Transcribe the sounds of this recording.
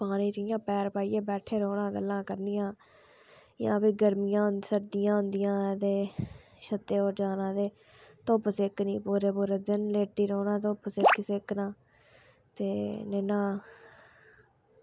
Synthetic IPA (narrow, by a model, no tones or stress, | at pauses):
paːnĩːt͡ʃɪjãːpɛːɾpaːiːẽːbɛːʈʰeːɾoːɽãːɡəlːãːkəɾnɪjãː | jã̰ːpiːɡəɾmɪjãːɦnsəɾd̪ɪjãːɦʊnd̪ɪjãːt̪eː | ʃət̪ːeːoːɾd͡ʒaːnãːt̪eː | t̪opsɪknĩːpuːɾeːpuːɾeːd̪ɪnleːʈːiːɾoːnãːt̪̬oːpsɪksɪknãː | t̪eːneːnãː